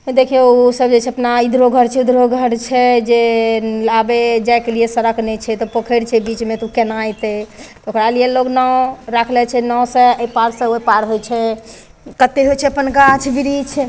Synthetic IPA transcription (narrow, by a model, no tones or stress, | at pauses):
d̪ekʰeosəbd͡ʒet͡ʃʰɛəpnaid̪ɾoɡʱəɾt͡ʃʰɛid̪ɾoɡʱəɾt͡ʃʰɛd͡ʒelabed͡ʒajkeliesəɾəknɛt͡ʃʰɛt̪ɔpəkʰəɾt͡ʃʰɛbit͡ʃmet̪ukenajt̪et̪ɔokɾalijeloɡnɔɾakʰlɛt͡ʃʰɛnɔsẽəjpaɾsə̃opaɾɦojt͡ʃʰɛ | kət̪ːeɦojt͡ʃʰɛəpənɡat͡ʃʰbiɾit͡ʃʰ